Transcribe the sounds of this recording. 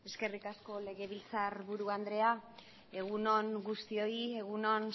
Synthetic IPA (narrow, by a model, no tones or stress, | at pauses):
e̞ske̞rikasko̞le̞ɣe̞β̞ilt͡saɾβuɾuand̪ɾe̞a | e̞ɣ̞uno̞ŋɡust̪io̞ie̞ɣ̞uno̞n